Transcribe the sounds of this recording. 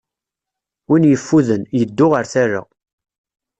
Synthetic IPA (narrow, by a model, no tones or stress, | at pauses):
winjəfːuðənjəd̪ːʊʁəɾθara̰